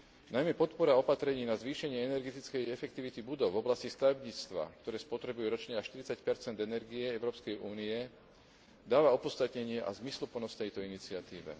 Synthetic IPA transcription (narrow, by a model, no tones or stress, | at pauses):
najmɛpɔt̪pɔɾaɔpat̪ɾɛɲiːnazʋiːʃɛɲɪɛɛnɛɾɡɛt̪it͡skɛjɛfɛk̚t̪iʋit̪ibud̪ɔʊvɔblascist̪aʋɛbɲiːt͡st̪ʋa̰k̚t̪ɔɾɛːspɔt̪ɾɛbujuɾɔt͡ʃɲɛaʃt̪iɾit͡sacpɛɾt͡sɛnd̪ɛnɛɾɡiɛɛʊɾɔːpskɛjʔuːniɛ | d̪aːʋaɔpɔst̪at̪ɲɛɲɪɛʔa̰zmislupl̩nɔst̪ɛjt̪ɔinit͡sɪat̪iːʋɛ̰